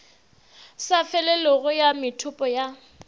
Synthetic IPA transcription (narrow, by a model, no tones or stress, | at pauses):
safɛlɛlɔɣʊjamɪtʰʊpʼɔja